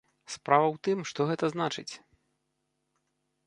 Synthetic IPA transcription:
spɾavɐwt̪ɨmʂt̪ɔɣɛt̪ɐznat͡ʂɨt͡sʲ

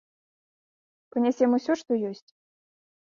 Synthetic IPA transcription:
pɨnʲasʲɛmusʲɔʂt̪ɔjɔsʲt͡sʲ

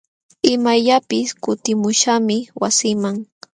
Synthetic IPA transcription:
ɪmajʎapɪskʊt̪ɪmʊʃamɪwasɪmaŋ

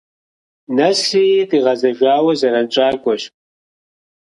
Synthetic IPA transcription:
nɐsiːtʼiːʁɐzɐʒʷaːwɐzɐɾɐnt͡ʃʼaːɡʷʼɔɕ

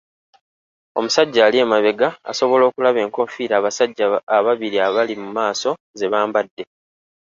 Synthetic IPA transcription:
o̞̰musaɟːaːlie̞ːmaβe̞ɡaa̰so̞βo̞lo̞ːkulaβe̞ːŋko̞ɱfiːɾaβasaɟːaːβaβiɾiaβalimumaːso̞ | ze̞βaːmbadːe̞

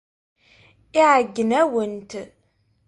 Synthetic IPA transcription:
iʕəɡːənæwənt̪

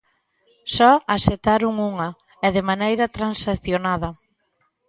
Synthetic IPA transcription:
sɔaset̪aɾuŋuŋɐ | ɛðɪmanejɾɐt̪ɾansaθjonað̞ɐ

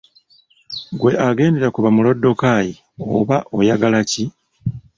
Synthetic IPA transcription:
ɡwe̞ʔaɡe̞ːndeɾakuβamulodːo̞kaji | o̰βaʔo̞jaɡalaci

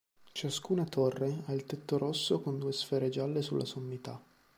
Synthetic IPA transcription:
t͡ʃaskunat̪ʰorːeailt̪et̪ːoɾosːokond̪uesfɛːɾed͡ʒalːesulːʔa̰somːit̪a

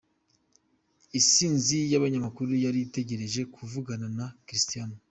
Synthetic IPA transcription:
isiːnzijaβaɲamakuɾujaɾijite̞ɟe̞ɾe̞ʒe̞kʰuvuɡananakɾistijano

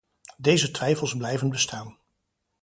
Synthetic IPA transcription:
dejzətʋɛjfəlˠsblɛjvənbəstaːn

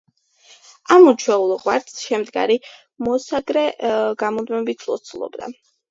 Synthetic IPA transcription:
amut͡ʃʰwɛulˠʁʼwaɾt̪sʃɛmd̪ɡa̰ɾi | mɔsaɡɾɛɡamɔd̪mɛbit̪ʰlˠɔ̰t̪sʰulˠɔ̰bd̪a̰

